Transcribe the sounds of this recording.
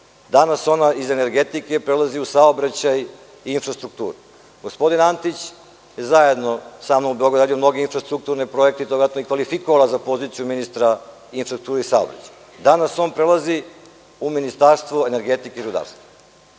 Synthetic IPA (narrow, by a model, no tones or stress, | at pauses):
d̪anaso̞naize̞ne̞ɾɡet̪ike̞pɾelaziusaobɾat͡ɕaj | iinfɾast̪ɾuk̚t̪ṵːɾu | ɡospo̞d̪inant̪it͡ɕ | jezaje̞d̪no̞saːmnomubeoɡɾd̪ad̪ijomno̞ɡe̞infɾast̪ɾuk̚t̪uɾnepɾo̞jekt̪eid̪oɡat̪noikʋalifikoʋalˠazapo̞zit̪sijuminist̪ɾa | infɾask̚t̪uːɾeisaobɾa̰t͡ɕḁj | d̪anaso̞ːnpɾelˠazi | uminist̪aɾst̪ʋoene̞ɾɡet̪ikeiɾud̪a̰ːɾst̪va